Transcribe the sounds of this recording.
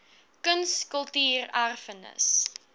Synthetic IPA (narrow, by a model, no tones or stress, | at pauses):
kənskəlˠtyːrærfənə̰s